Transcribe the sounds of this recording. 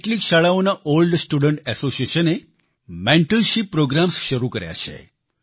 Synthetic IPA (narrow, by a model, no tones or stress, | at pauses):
eʈlikʃaɭaonaʔolɖsʈuɽəɳʈɛsosijeʃəne | mɛ̃ɳʈəlʃipːɾoɡɾamsʃəɾukəɾja̰t͡ʃʰḛ